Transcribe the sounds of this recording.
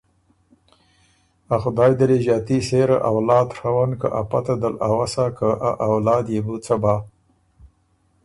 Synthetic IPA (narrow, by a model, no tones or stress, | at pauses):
axʊd̪ɑːjd̪aliʒɑːt̪iseɾə̰ʔawlɑːd̪xawankə̰ʔapat̪ad̪əlawasakəʔaʔawlɑːd̪jebut͡səbɑ